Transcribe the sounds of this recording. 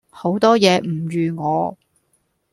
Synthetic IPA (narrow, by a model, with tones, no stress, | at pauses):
ho˨˥wt̪ɔː˥jɛː˨˧m̩˨˩ɥyː˨ŋɔː˨˧